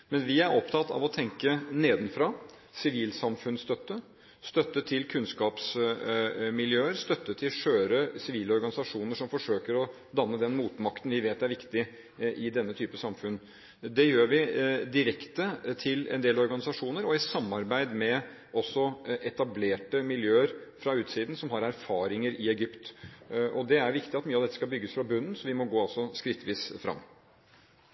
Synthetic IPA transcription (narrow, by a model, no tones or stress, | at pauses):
mɛnʋɪæɾɔpt̪ʰɑt̪ːɑ̰ʋɔt̪ʰɛŋkəneːd̪nfɾɑ | sɪʋiːlsɑmfʉnst̪œt̪ːə | st̪œt̪ːət̪ʰɪlkʰʉnskɑːps | mɪljøːəɾst̪œt̪ːət̪ʰɪlʃøːɾəsɪʋiːlɔɾɡɑnɪsɑʂuːnəʂɔmfɔʂøːkəɾɔ | d̪ɑnːəd̪ɛnmuːt̪mɑkt̪nʋɪʋeːt̪æɾʋɪkt̪ɪ | ʔɪd̪ɛnːət̪ʰyːpəsɑmfʉnː | d̪ɛjøːɾʋɪd̪ɪɾɛkt̪ət̪ʰɪlɛ̰nd̪eːlɔɾɡɑnɪsɑʂuːnəɾɔɪsɑmːɑɾbæɪd̪mɛ | ɔsːɔʔɛt̪ɑbleːʈəmɪljøːəɾfɾɑʉːt̪siːd̪n̩sɔmɦɑɾæɾfɑːɾɪŋəɾɪɛɡʏpt̪ʔɔd̪ɛæɾʋɪkt̪ɪɑt̪myːəɑʋd̪ɛt̪ːə̥skɑlbʏɡːəsfɾɑbʉnːn̩sɔʋɪmɔɡoːɑlsɔskɾɪt̪ːʋiːsfɾɑ̰mː